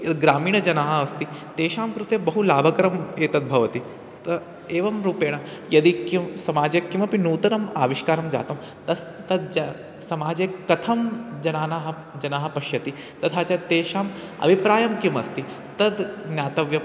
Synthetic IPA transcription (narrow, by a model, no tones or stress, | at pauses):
ɡɾaːmiːɳɐd͡ʒɐnaːɦɐɐst̪it̪eːʃaːmkɾut̪ebɐɦulaːbʱɐkɐɾɐmeːt̪ɐd̪̚bʱɐʋɐt̪i | t̪ɐ | eːʋɐmɾuːpeːɳ̃ɐjɐd̪ikisɐmaːd͡ʒekːimɐpinuːt̪ɐnɐma̰ːʋiʃkaːɾɐmd͡ʒa̰ːt̪ɐm | t̪ɐst̪ɐd̪ | sɐmaːd͡ʒekɐt̪ʰɐmd͡ʒɐnaːnaːɦɐ | d͡ʒɐnaːɦɐpɐʃjɐt̪i | t̪ɐt̪ʰaːt͡ʃat̪eːʃaːmɐ̰bʱipɾaːjɐmkimɐst̪i | t̪ɐd̪ɡnjaːt̪ɐʋjɐ